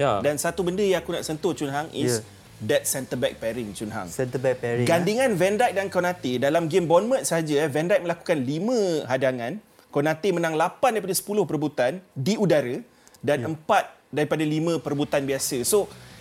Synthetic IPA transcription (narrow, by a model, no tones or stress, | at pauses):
jdansat̪ubəndəjãŋakuna̰ʔsənt̪ʊt͡ʃunɦaŋʔḭs | dɛt̪̚sɛnt̪əbɛk̚pɛɾint͡ʃunɦa̰ŋsɛnt̪əbɛk̚pɛɡandiŋãnvɛndajʔ̚dankonãt̪idalamɡembɔnmə̃nsəɦad͡ʒəvɛndajʔ̪̚mə̃laku̥kanlimə̃ɦadaŋãn | konãt̪imənãŋlapandaɾipadasə̥pulʊhpəɾbut̪andiudaɾə | danəmpat̪̚daɾipadalimə̃pəɾəbut̪anbiasəso